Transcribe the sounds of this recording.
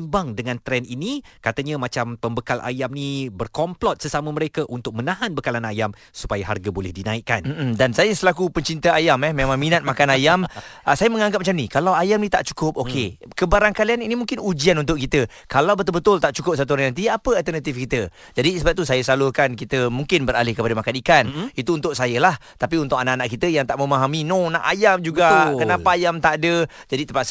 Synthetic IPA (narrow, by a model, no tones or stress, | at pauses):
mbaŋdəŋãnt̪ɾɛninikat̪əɲə̃mat͡ʃampəmbəkalʔa̰jamnibərkɔmplɔt̪̚səsaməməɾekəʔunt̪ʊk̚mənãɦanbəkalanajam | su̥pajaɦa̰rɡabolɛhdinaikːanm̩m̩dansajasəlakupəɲt͡ʃint̪aajamɛmemãŋminat̪̚makanajaməsajaməŋãŋɡap̚mat͡ʃamnikalawajamnĩt̪a̰ʔt͡ʃu̥kʊp̚ʔoke | kəbaɾaŋkalianinimũŋkɪnud͡ʒianunt̪̬ʊʔ̚kit̪ə | kalawbət̪ʊlbət̪ʊlt̪aʔt͡ʃukʊp̚sat̪̬uɔɾaŋnant̪̬iapəalt̪ərnat̪ifkit̪ə | d͡ʒadisəbat̪usajəsalʊhkankit̪əmuŋkɪnbəɾalɪhkəpadəmakanikanit̪uːnt̪ʊʔ̚sajəlaht̪apiunt̪ʊkanaʔanaʔkit̪əjaŋt̪aʔməmaɦaminõnaʔajamd͡ʒuɡakənapaːjamt̪aʔdə | d͡ʒadit̪əpaʔs